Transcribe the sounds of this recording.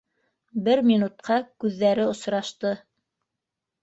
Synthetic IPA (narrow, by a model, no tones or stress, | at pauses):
bɘɾmʲinut̪̚qɑkʉðːæɾɘŏsɾɑʃt̪ɤ